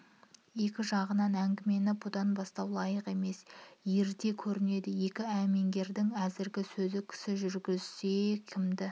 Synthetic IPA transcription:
je̞kʲɪʒɑʁənɑnæŋɡʲɪme̞nɪbʊd̪ɑnbɑst̪ɑwlˠɑjəqe̞me̞sje̞ɾd̪e̞kʲʰɵɾɪne̞d̪ɪje̞kʲɪæme̞ŋɡʲe̞ɾd̪ɪŋæzɪɾɡʲɪsɵzɪkʲʰɪ̥sɪʒʏɾɡʲɪzse̞kʲʰɪmd̪ɪ

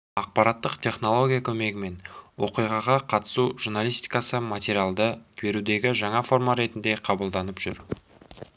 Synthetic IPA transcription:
ɑq̚pɑɾɑt̪ːəqt̪ʲʰe̞χno̞lˠo̞ɡʲijakʲʰɵme̞ɡʲɪme̞nwʔo̞̰qijʁɑʁɑqʰɑt̪ə̥suʒuɾnalʲˠijst̪ijkɑsəmat̪ʲeɾʲijalˠd̪əkʲʰbe̞ɾud̪e̞ɡʲɪʒɑɴɑfo̞rmaɾe̞t̪ɪnd̪e̞qʰɑbəlˠd̪ɑnəpʒ̥ʏɾ

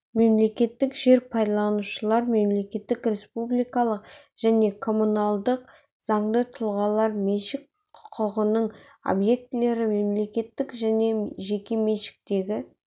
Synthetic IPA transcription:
me̞mle̞kʲe̞t̪ːɪkʒe̞ɾpʰɑjd̪ɑlˠɑnuʃəlˠɑɾme̞mle̞kʲe̞t̪ːɪkɾʲe̞spublʲijkɑlˠəq | ʒ̥æne̞kʰo̞munɑlˠd̪əq̚ | z̥ɑɴd̪ət̪ʰʊlˠʁɑlˠɑɾmeʃɪk | qʰʊ̥qʰəʁənəɴ | o̰bje̞k̚t̪ɪle̞ɾɪme̞mle̞kʲe̞t̪ːɪkʒæne̞ʒe̞kʲe̞meʃɪ̥k̚t̪e̞ɡʲɪ

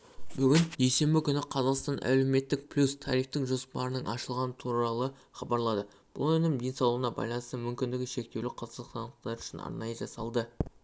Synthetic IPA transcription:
bʏɡʲɪnd̪e̞jse̞mbɪkʲʰʏnɪqʰɑzɑqst̪ɑnʔæ̰le̞me̞t̪ːɪk̚pʰlʲust̪ʰɑɾiχt̪ɪŋʒo̞spɑɾənəɴʔɑʃəlˠʁɑnət̪ʰuɾɑlˠə | χɑbɑɾlˠɑd̪ə | b̥ʊ̰lˠɵnɪmd̪e̞nsɑwlˠəʁənɑbɑ̰jlˠɑnəst̪əmʏmkʲɪnd̪ɪɡʲɪʃe̞k̚t̪ewlɪqʰɑzələqsɑnəqt̪ɑɾʏʃɪnɑ̰ɾnɑjəʒɑsɑlˠd̪ə

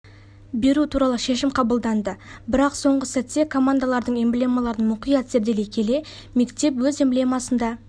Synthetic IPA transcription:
be̞ɾut̪ʰuɾɑlˠəʃe̞ʃɪmqʰɑbəlˠd̪ɑnd̪əbɪɾɑqso̞ɴʁəsæt̪ːe̞kʰo̞mand̪alˠɑɾd̪əɴemblʲemalˠɑɾənmʊqijɑt̪z̥eɾd̪e̞lekʲʰe̞le̞ | me̞kt̪e̞p̬wɵzemblemɑsənd̪ɑ

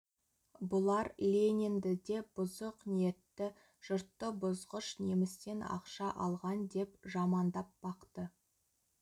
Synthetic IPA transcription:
bʊlˠɑɾlʲenʲend̪ɪd̪e̞b̥ʊzəqnije̞t̪ːɪ | ʒ̥ʊɾt̪ːəbʊzʁəʃnemɪst̪e̞nɑ̰qʃɑʔɑlˠʁɑnd̪e̞pʒɑmɑnd̪ɑp̚b̥ɑqt̪ə

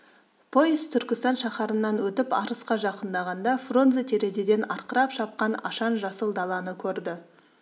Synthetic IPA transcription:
pʰo̞jist̪ʰʏɾkʲɪst̪ɑnʃɑχɑɾənːɑnwɵt̪ɪpɑɾəsqɑʒɑqənd̪ɑʁɑnd̪ɑfro̞nzet̪ʰeɾe̞d̪ed̪e̞nɑɾqəɾɑpʃɑp̚qɑnɑ̰ʃɑnʒɑsəlˠd̪ɑlˠɑnəkʲʰɵɾd̪ɪ

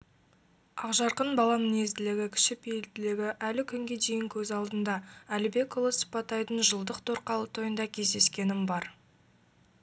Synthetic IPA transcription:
ɑqʒɑɾqənbɑlˠɑmɪne̞zd̪ɪlɪɡʲɪkʲʰʏ̥ʃɪpelt̪ɪlɪɡʲɪʔælɪkʲʰʏŋɡʲe̞d̪e̞jɪŋkʲʰɵzɑlˠd̪ənd̪ɑælɪbe̞kolˠəsə̥pɑt̪ːɑjd̪ənʒəlˠd̪əqt̪ʰoɾqɑlˠət̪ʰojənd̪ɑkʲʰe̞zd̪e̞skʲe̞nɪmbɑɾ

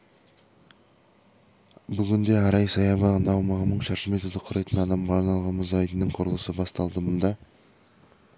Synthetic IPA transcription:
bʏɡʲɪnd̪e̞æɾɑjsɑjɑbɑʁənɑwmɑʁənəɴʃɑɾʃəme̞t̪od̪əqʰʊɾɑjt̪ənɑd̪ɑmʁɑːɾnɑlˠʁɑnməzɑjd̪ənəɴqʰʊɾəlˠəsəbɑst̪ɑlˠd̪əmʊnd̪ɑ

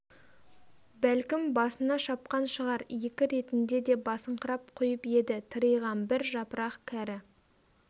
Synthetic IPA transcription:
bælkʲɪmbɑsənɑʃɑp̚qɑnʃəʁɑɾje̞kʲɪɾe̞t̪ɪnd̪e̞d̪e̞bɑsəɴqəɾɑp̚qʰʊjəpe̞d̪ɪt̪ʰəɾəjʁɑnbɪɾʒɑpəɾɑqkʲʰæɾɪ

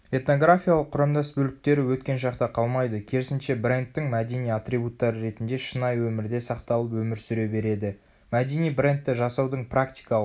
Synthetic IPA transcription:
e̞t̪no̞ɡrafʲijalˠəqʰːʊɾɑmd̪ɑsbɵlɪk̚t̪e̞ɾɪwɵt̪̚kʲe̞nʒɑqt̪ɑqʰɑlˠmɑjd̪əkʲʰe̞ɾɪsɪnʃe̞bre̞nt̪ːɪŋmæd̪e̞nijat̪ɾijbut̪ːɑɾəɾe̞t̪ɪnd̪e̞ʃənɑjwɵmɪɾd̪e̞sɑqt̪ɑlˠəpwɵmɪɾsʏɾe̞be̞ɾe̞d̪ɪ | mæd̪e̞nijbre̞nt̪ːɪʒɑsɑwd̪əɴprakt̪i̥jkɑlˠ

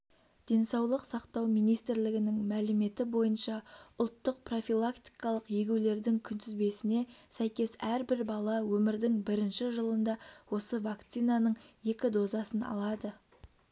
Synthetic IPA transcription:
d̪̥e̞nsɑwlˠəqsɑqt̪ɑwmijnijst̪ɪɾlɪɡʲɪnɪŋmælɪme̞t̪ɪbo̞jənʃɑʊlˠt̪ːəq̚pro̞filˠakt̪i̥jkɑlˠəqjeɡʲuwle̞ɾd̪ɪŋkʲʰʏnt̪ʰɪzbe̞sɪne̞sæjkʲe̞sæɾbɪɾbɑlˠɑwɵmɪɾd̪ɪŋbɪɾɪnʃɪʒəlˠənd̪ɑwo̞səvakt̪sijnɑnəɴje̞kʲɪd̪o̞zɑsənɑ̰lˠɑd̪ə

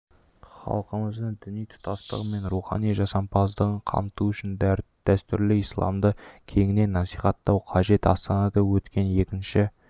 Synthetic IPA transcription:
χɑ̰lˠqəməzd̪əɴd̪ʏnijt̪ʰʊ̥t̪ɑst̪ə̰ʁəme̞nɾuχɑ̰nijʒɑsɑmpʰɑzd̪əʁəɴqʰɑ̰mt̪uʏʃɪnd̪d̪̥æst̪ʏɾlɪijslˠɑ̰md̪əkʲʰe̞ŋɪne̞nːɑsijχɑt̪ːɑwqʰɑʒe̞t̪ɑ̰st̪ɑnɑd̪ɑwɵt̪kʲe̞nje̞kʲɪnʃɪ

